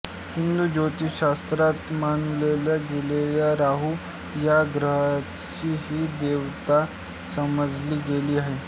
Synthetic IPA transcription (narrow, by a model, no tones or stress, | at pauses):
hind̪uːd͡ʑot̪iːɕast̪ɾat̪manlelaɡeleljaɾaɦu | jaɡɾəɦa | t͡ɕiːɦiːd̪eʋt̪a | səməd͡zliːɡeliːaɦe